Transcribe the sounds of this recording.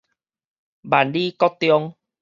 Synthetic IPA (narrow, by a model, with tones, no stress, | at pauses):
ba˨˩nli˦kɔ˦t̪ːjɔ˦ŋ